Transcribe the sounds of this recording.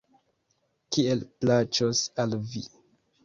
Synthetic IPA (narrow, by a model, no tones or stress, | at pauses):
kie̞lplat͡ʃosalvi